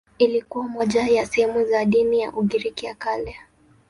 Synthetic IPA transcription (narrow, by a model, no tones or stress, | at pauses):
ilikuwamɔʄajasɛhɛmuzaɗinija̰ʔuɠiɾikiakalɛ